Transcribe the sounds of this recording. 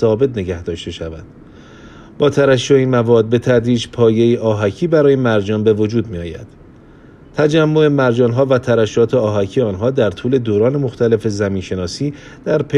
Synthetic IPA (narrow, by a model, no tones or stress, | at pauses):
sɒːbe̞t̪ʰne̞ɡæhd̪ɒːʃt̪e̞ʃævæ̰d̪̥ | b̥ɒːt̪ʰæɾæʃːoiːnmævɒːd̪̚be̞t̪ʰæd̪ɾiːd͡ʒpʰɒːje̞jiʔɒːɦæcʰiːbæɾɒːjemæɾd͡ʒɒːnbe̞vo̞d͡ʒuːd̪̚miːɒːjæ̰d̪̥ | t̪ʰæd͡ʒæmːo̞e̞mæɾd͡ʒɒːnɦɒːvæt̪ʰæɾæʃːɒːt̪ʰe̞ɒːɦæcʰiːeɒːnɦɒːd̪æɾt̪ʰuːle̞d̪oːɾɒːne̞mo̞xt̪ʰæle̞fe̞zæmiːnʃe̞nɒːsiː | d̪̥æɾpʰe